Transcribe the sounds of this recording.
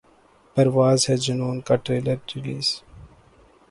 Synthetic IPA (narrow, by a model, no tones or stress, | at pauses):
pɐɾʋaːzhɛd͡ʒʊnuːnkaːʈɾeːləɾʈɪliːz